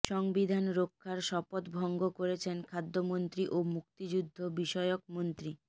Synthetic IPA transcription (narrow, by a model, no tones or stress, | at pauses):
ʃɔŋbid̪ʱanɾokʰːaɾʃɔpot̪bʱɔŋɡokoɾet͡ɕʰenkʰad̪ːomont̪ɾiʔomuk̚t̪id͡ʑud̪ʱːobiʃɔeok̚mont̪ɾi